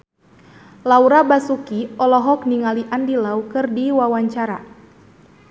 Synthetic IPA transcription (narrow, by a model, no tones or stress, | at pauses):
lauɾabasukiɔlɔɦɔk̚niŋaliʔandilaukɨrdiwawaɲt͡ʃaɾa